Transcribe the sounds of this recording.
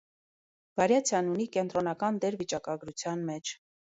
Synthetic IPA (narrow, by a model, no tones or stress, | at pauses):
b̥ɑɾjɑt͡sʰjɑnunikɛnt̪ɾɔnɑkɑnd̪ɛɾvit͡ʃɑkɑɡɾut͡sʰjɑnmɛt͡ʃʰ